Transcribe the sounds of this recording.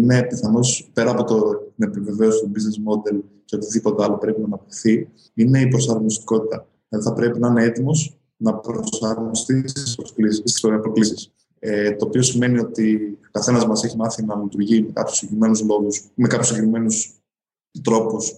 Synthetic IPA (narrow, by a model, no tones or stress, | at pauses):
ine̞piθɐno̞spe̞ɾɐːpo̞t̪ot̪ine̞pive̞ve̞o̞sit̪obiznesmo̞d̪e̞l | ce̞o̞t̪iðipo̞t̪eɐlopɾe̞pinɐːnɐpt̪iθi | ine̞ipɾo̞sɐɾmonist̪i̥ko̞t̪it̪ɐ | ʝɐðiθɐpɾe̞pinɐɐne̞e̞t̪imo̞s | nɐpɾosɐɾmost̪isspɾolisspɾo̞klisis | et̪o̞ːpiosime̞nio̞t̪iokɐθe̞nɐzmɐse̞çimɐθinɐlit̪uɾʝimekɐ̰pçu̥siɾime̞nuzlo̞ɣusmekɐpçusiɟekɾime̞nus | t̪ɾo̞pus